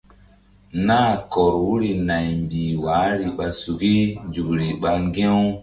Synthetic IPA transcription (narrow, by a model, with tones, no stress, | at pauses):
naː˦˨kɔ˨ɾwu˦ɾi˨na˨jmbi˨waː˨˦ɾi˨ɓa˨su˨ki˦nd͡ʒu˨kɾi˨ɓa˨ŋɡɛ˦w